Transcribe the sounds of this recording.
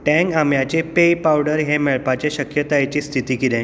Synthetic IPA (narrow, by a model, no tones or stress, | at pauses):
ʈɛ̃ŋkamjat͡ɕepejpawɽəɾɦẽmeɭpat͡ɕeɕəkjət̪ajet͡ɕiːst̪ʰit̪iːkiɾẽ